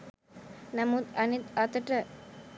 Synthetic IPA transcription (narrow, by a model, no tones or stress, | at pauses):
nɐmut̪ɐnit̪at̪əʈə